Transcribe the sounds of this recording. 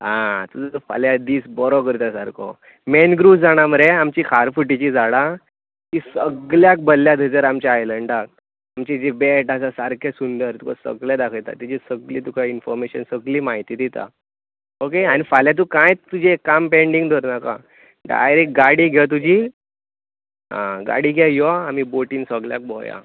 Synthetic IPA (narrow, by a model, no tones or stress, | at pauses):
ɦãt̪ud͡zəfa̰ljad̪iːsbɔɾɔkəɾt̪asaɾkʰɔ̰ | menɡɾusd͡zaɽ̃aməɾeamt͡ɕikʰaɾfuʈit͡ɕid͡zaɽa | t̪isəɡljak̚bəlːjad̪ʱəd͡zəɾamt͡ɕaajləɳɖak̚ | amt͡ɕid͡ʑebeʈasasaɾkʰesund̪əɾt̪uka̰sə̰ɡljad̪akʰəjt̪a̰t̪id͡ʑisəɡliːt̪ukʰainfɔɾmeɕənsəɡliːmaɦit̪iːt̪it̪a̰ | okeañifaljat̪̬ukãjt͡st̪ud͡ʑʱekːampẽɳɖiŋɡd̪ʱɔɾnaka̰ | ɖa̰jɾek̚ɡaɽiːɡʱjɛt̪̬ud͡ʑʱiː | ɦã̰ɡa̰ɽiːɡʱɛjɔamiːboʈiːnsəɡlja̰k̚bɔ̰ja̰